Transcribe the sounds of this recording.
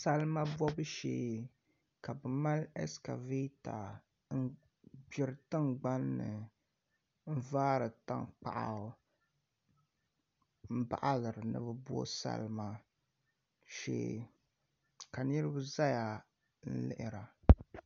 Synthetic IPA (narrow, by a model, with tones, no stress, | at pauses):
sa˦lma˦bɔ˦bɨ˦ʃḛː˦˨ | ka˨bɨ˨ma˦lɛ˦ska̰˨vi˦ta˨ | n̩˦ | bɪ˨ɾɨ˦tɨ˦ŋɡ͡ba˦nːɨ˨ | n̩˦vaː˦ɾɨ˨ta̰˦ŋk͡pa̰˨ʔa̰˨˦ | m̩˦ba̰˨ʔa˦lɨ˨ɾɨ˨nɨ̰˨bɨ˨bɔ̰˦sa̰˦lma˨ | ʃḛː˦˨ | ka˨nɨ˦ɾɨ˦bɨ˦za˦ja˨ | n̩˦lɪ̰˦ʔɪ˨ɾa˨